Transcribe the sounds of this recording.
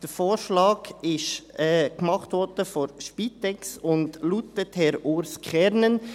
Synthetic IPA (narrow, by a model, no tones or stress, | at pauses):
d̥əfoːɾʃlɑːɡɪʃɛːɡ̥mɑχtʋɔɾd̥əfɔɾʃpiːtɛksʊndlutəthɛɾoːɾskχɛɾnən